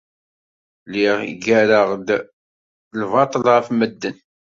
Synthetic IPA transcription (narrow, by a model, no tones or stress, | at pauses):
liʁḭɡæɾəʁd̪ | lvɑt̪ˤlʁəfməd̪ːən